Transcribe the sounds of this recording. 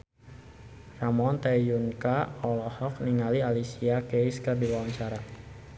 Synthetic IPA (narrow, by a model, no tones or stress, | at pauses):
ramɔnt̪ajunkaɔlɔhɔk̚niŋalialisiakejskərbiwawaɲt͡ʃaɾa